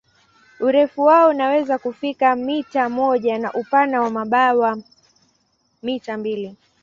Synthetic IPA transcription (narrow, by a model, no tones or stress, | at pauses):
uɾɛfuwaɔunawɛzakufikamitamɔʄanaʔupanawamaɓawa | mitambili